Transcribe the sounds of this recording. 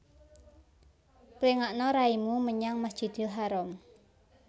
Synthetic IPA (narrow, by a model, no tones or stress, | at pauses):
pliŋaʔnɔɾaimuməɲaŋmasd̥ʒ̥i̤d̪̥ɪ̤lɦaɾɔm